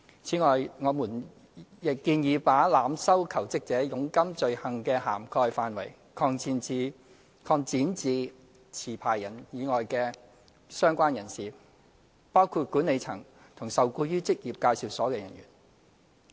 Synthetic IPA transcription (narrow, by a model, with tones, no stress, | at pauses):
t͡sʰiː˨˥ŋɔː˨jŋɔː˨˧muː˨˩n | jɪ˨kːiː˧njiː˨˧paː˨˥laː˨msɐ˥wkʰɐ˨˩wt͡sɪ˥k̚t͡sɛː˨˥jʊ˨˧˥ŋkɐ˥mt͡ʃɵ˨˧ɥhɐ˨ŋkɛː˧haː˨˩mkʰɔː˧jfaː˨nwɐ̰˨˩j | kʰɔː˧ŋt͡siː˧nt͡siː˨˧ | kʰɔː˧ŋt͡siː˨˥nt͡siː˨˧ | t͡sʰiː˨˩pʰaː˨˩jːɐ˨˩njiː˨˧ŋɔː˨jkɛː˧ | sœː˥ŋkʷaː˥njɐ˨˩nsiː˨ | paː˥wkʰuː˧t̚kuː˨˥ne˨˧jt͡sʰɐ˨˩ŋ | t̪ʰʊ˨˩ŋsɐ˨wkuː˧jyː˥t͡sɪ˥k̚jiː˨p̚kaː˧jsiː˨˩wsɔː˨˥kɛː˧jɐ˨˩nɥy̰ː˨˩n